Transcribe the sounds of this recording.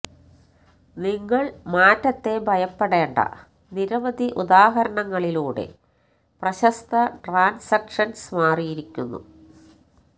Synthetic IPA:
niŋːɐɭmaːtːɐt̪ːe̞bʱɐjɐpːeɽe̞ːɳɖɐ̰ | niɾɐʋɐd̪ʱiʔud̪aːɦɐɾɐɳɐŋːɐɭiluːɽe̞̰ | prɐɕɐst̪ɐʈraːnsɐkʂɐnsmaːrijiɾikʲːunːṵ

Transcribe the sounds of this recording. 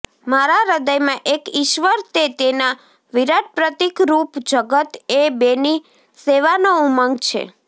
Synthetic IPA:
maɾaɾəd̪əjmãʔekiʃʋəɾt̪et̪ena | ʋiɾad̪̚pɾət̪ikɾupd͡ʒəɡət̪ebeni | seʋanouməŋɡt͡ʃʰḛ

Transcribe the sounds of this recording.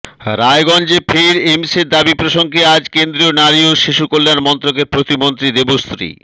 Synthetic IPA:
ɾaeɡɔnd͡ʑepʰeɾemseɾd̪abipɾoʃoŋkʰead͡ʑkend̪ɾionaɾioʃiʃukolːanmɔnt̪ɾokeɾpɾot̪imont̪ɾid̪ebost̪ɾḭ

